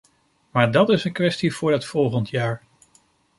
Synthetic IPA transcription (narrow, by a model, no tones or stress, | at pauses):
maːɹdɑtɪsənkʋɛstiv̥ʊːɹɦətfɔlˠχəntʰjaːɹ